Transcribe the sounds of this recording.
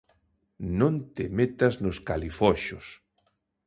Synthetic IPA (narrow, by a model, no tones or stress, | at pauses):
nõnt̪emet̪aznʊskalifɔʃʊs